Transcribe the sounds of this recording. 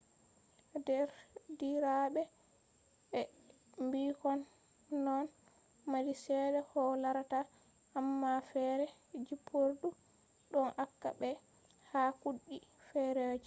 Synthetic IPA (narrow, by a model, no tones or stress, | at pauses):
dɛɾdiɾaɓɛ | ɓɛ | mbikɔnː | ɔn | madisɛdɛhɔlaɾataː | mːafɛɾɛd͡ʒipʰːoɾdu | ɗɔnʔakːa̰bɛ | hakuɗːifɛɾɛwd͡ʒi